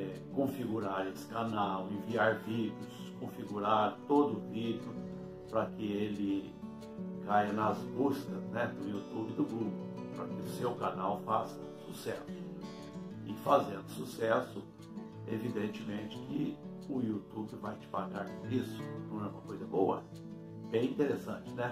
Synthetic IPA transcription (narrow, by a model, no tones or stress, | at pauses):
ɛkõfiɡuɾaɾesɪ̥kanawẽviaɾvid͡ʒɪʊskõfiɡuɾaɾt̪od̪ʊʊvid͡ʒɪʊ | pɾɐkɪelɪ | kajɐnɐzbuskɐznɛd̪ʊiut̪ubɪd̪ʊɡɾuɡʊpɾɐkɪʊsewkanawfasɐ | susɛ̰sʊ̥ | ɪfazẽnd̪ʊsusɛsʊ | evid̪ẽnt͡ʃɪmẽt͡ʃɪ̥kɪ | ʊiut̪ubɪvajt͡ʃɪ̥paɡaɾisʊ̥nɐ̃w̃ɛũmɐkojzɐbowɐ̰ | bẽj̃ĩt̪eɾesɐ̰̃t͡ʃɪnɛ